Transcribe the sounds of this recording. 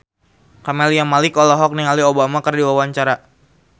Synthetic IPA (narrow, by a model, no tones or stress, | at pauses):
kamɛlijamalikɔlɔɦɔk̚niŋaliobamakərdiwawaɲt͡ʃaɾa